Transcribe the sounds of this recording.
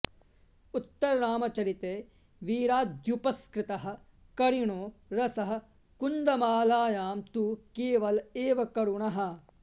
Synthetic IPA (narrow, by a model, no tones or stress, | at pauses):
ut̪ːɐɾɐɾaːmɐt͡ʃɐɾit̪eː | ʋiːɾaːd̪jupɐskɾɪt̪ɐɦɐ̆ | kɐɾiɳoːɾɐsɐɦɐ̆ | kund̪ɐmaːlaːjaːmt̪ukeːʋɐleːʋɐkɐɾuɳɐɦɐ̆